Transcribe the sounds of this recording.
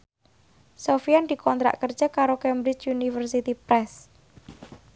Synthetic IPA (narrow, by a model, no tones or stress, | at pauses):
sofiand̪̥i̤kʰɔnt̪ɾa̰ʔkərd͡ʒʒ̥a̤kaɾokɛmbɾɪt͡ʃunifərsit̪ipɾɛs